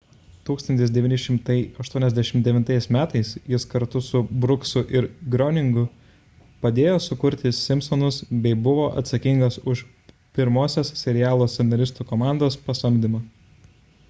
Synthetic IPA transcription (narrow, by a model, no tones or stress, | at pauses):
t̪uːkst̪ɐnt̪ʲɪsd̪ʲɛʋʲiɪnʲɪʃʲɪmt̪ɐɪɐʃt̪uɔnʲɛzʲd̪ʲæʃʲɪmd̪ʲɛʋʲɪnt̪ɐɪsmʲæːt̪ɐɪsjɪskɐɾt̪ʊsʊbɾʊksʊʔɪɾɡɾɔnʲɪŋɡʊ | pɐd̪ʲeːjoːsʊkʊɾʲt̪ʲɪsʲɪmʲsɔnʊsbʲɛɪbʊʋoːʔɐ̰t̪sɐkʲiŋɡɐsʊʃ | pʲɪɾmoːsʲossʲɛɾʲɪjæːlˠoːsʲɛnnɐɾʲɪst̪uːkomɑˑnd̪oːspɐsɐmʲd̪ʲɪmɐ